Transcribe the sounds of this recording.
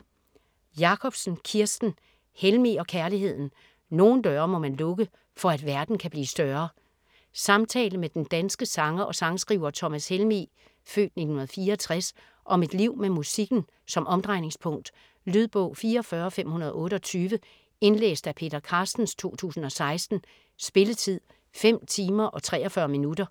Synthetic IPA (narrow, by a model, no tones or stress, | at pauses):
jɑ̈kʰɒ̽b̥sn̩kʰiɐsd̥n̩ | helmiɒ̽kʰæɐliɦe̝ð̞̰ˠn̩ | no̝ːn̩d̥ɶɐmɒ̽mænlɔ̽ɡ̥ə | fɒ̽æd̥ʋæɐd̥n̩kʰæb̥liːsd̥ɶɐ | sɑ̈mt͡sʰɛ̰ːləmed̥end̥ænsɡ̥əsɑ̈ŋɐʔɒ̽sɑ̈ŋsɡ̥ʁiːʊɐt͡sʰɒ̽mæshelmḭ | fø̰ːd̥ni̝̥hnhunɐð̞̩ˠfiːɐːt͡sʰʁas | ʔɒ̽me̝d̥liʊ̰memusiɡ̥n̩ | sɒ̽mʔɒ̽md̥ʁɑ̈ɪ̰ne̝ŋspʰɔ̽ŋ̰d̥ | lyðˠb̥ɔʊ̰fiːɐɒfɶɐɒ̽fem̰hunɐð̞ˠɔ̽ːɾəɒ̽t͡sʰyːʋə | e̝nlḛːsd̥æpʰe̝̰ːd̥ɐkʰɑ̈sd̥n̩st͡sʰo̝̰ːt͡sʰṵːsn̩ɒ̽sɑ̈ɪsd̥n̩ | sb̥e̝lət͡sʰið̰ˠ | fem̰t͡sʰiːmɐʔɒ̽t͡sʰʁɛ̰ːɒfɶɐminud̥ɐ